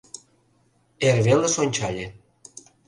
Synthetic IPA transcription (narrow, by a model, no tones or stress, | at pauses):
erβelĕsonʲt͡ɕɑlʲe